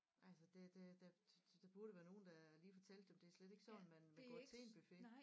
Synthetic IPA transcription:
ʔælsəd̥e̝d̥ed̥æ̥d̥æb̥uɐɾəʋæːɐno̝ːn̩d̥æliːfɒ̽t͡sʰel̰d̥emd̥e̝æɐsled̥e̝ɡ̥sɒ̽nmænmænɡ̥ɒ̰̥t͡sʰe̝nb̥yfe̝

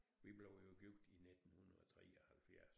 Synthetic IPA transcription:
ʋib̥le̝ʊ̰joɡ̥yɡ̥d̥ined̥n̩hun̩ˠɒt͡sʰʁɛɒhælfjæɐs

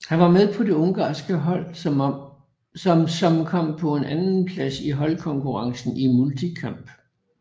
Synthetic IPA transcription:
hænʋɑ̈meðˠpʰɒ̽de̝ɔ̽ŋɡ̥ɑ̰̈ːsɡ̥əɦɒl̰ | msɒ̽mkʰɒ̽m̰pʰɒ̽e̝nʔænn̩pʰlæsiɦɒ̽lkʰɒ̽ŋkʰuʁɑ̈ŋsn̩imult͡sʰikʰɑ̈m̰b̥

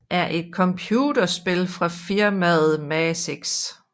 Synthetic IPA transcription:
ʔæɐʔe̝d̥̚kʰɒ̽mpʰjuːd̥ɐsb̥e̝lfʁɑ̈fiɐmæðð̩ˠmæseɡ̥s

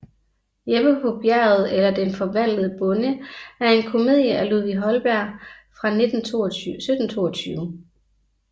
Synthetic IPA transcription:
jeb̥əpʰɒ̽b̥jæɐ̰ð̩ˠelɐd̥enfɒ̽ʋæn̰ləð̩ˠəb̥ɔ̽nəæɐe̝nkʰo̝me̝ð̰ˠjəʔæluðˠʋiɦɒ̽lb̥æɐ̰fʁɑ̈ned̥n̩osød̥n̩t͡sʰo̝̰ːɒt͡sʰyːʊə

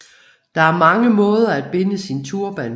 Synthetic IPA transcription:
d̥ɑ̈æɐmɑ̈ŋəmɔ̽ːð̞ˠɐæd̥̚b̥e̝nəsint͡sʰuɐb̥æn

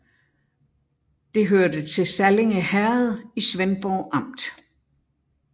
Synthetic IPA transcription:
d̥e̝ɦøɐd̥ət͡sʰe̝lsæle̝ŋəhæɐð̞̩ˠisʋenb̥ɒʊʔɑ̈m̰d̥

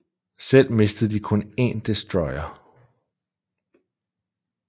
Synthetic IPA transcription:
sel̰me̝sd̥əð̩ˠd̥ikʰɔ̽ne̝nd̥esd̥ʁɒɪɐ

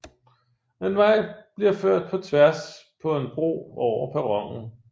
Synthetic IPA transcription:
enʋɑ̈ɪ̰b̥liɐføɐ̰d̥̚pʰɒ̽t͡sʰʋæɐspʰɒ̽enb̥ʁo̝̰ːɒʊ̰ɐpʰæʁɒ̽ŋ̰n̩

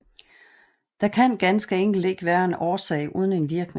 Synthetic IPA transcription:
d̥ɑ̈kʰæn̰ɡ̥ænsɡ̥əeŋ̰ɡ̥l̩d̥e̝ɡ̥ʋæːɐe̝nɒːsɛ̰ɪʔuːð̞ˠən̩e̝nʋiɐɡ̥n

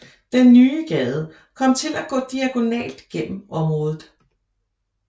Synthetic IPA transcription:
d̥enːyːɡ̥ɛːð̞ˠə | kʰɒ̽m̰t͡sʰe̝læɡ̥ɔ̰̽ːd̥iæɡ̥o̝nɛ̰ːld̥ɡ̥en̰m̩ɒ̽mʁɔ̽ːð̞ˠð̩ˠ

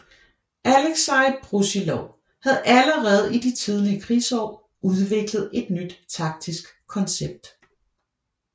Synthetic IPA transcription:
ʔæleɡ̥sɑ̈ɪb̥ʁusilɒʊ | hæðˠʔæləʁɛːð̞̩ˠid̥it͡sʰið̞ˠliəkʰʁiːsɒ̰ː | uð̞ˠʋe̝ɡ̥ləð̞̩ˠe̝d̥nyd̥t͡sʰɑ̈ɡ̥̚d̥isɡ̥ | kʰːɒ̽nseb̥̚d̥

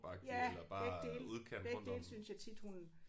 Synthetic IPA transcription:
b̥ɑ̈ɡ̥̚jælɐb̥ɑ̈eɡ̥d̥e̝̰ːluðˠkʰen̰ʋeɔ̥d̥ḛːlsynsjɑ̈ɪt͡sʰid̥hun

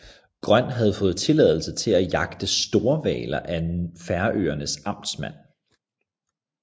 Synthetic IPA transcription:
ɡ̥ʁɶn̰ɦæð̞̩ˠfɔ̽ːð̩ˠt͡sʰe̝lɛðˠl̩sət͡sʰe̝læjɑ̈ɡ̥d̥əsd̥o̝ːɐʋɛ̰ːlɐʔæenfæɐʔø̰ːɐnəsɑ̈m̰d̥smæn̰

